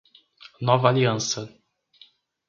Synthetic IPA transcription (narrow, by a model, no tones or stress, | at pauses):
nɔvɐaliɐ̃sɐ